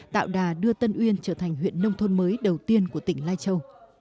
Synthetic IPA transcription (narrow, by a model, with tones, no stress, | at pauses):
t̪a̰ː˧˨wɗaː˨˩ɗɨ˧ət̪ə˧nʔwi˧ənt͡ɕəː˧˩t̪ʰa˨˩jŋ̟ɦwḭ˧˨ənːə˧wŋ͡mt̪ʰo˧nməː˨˦jɗə˨˩wt̪i˧ənku˧˩ət̪ï˧˩ŋ̟laː˧jt͡ɕə˧w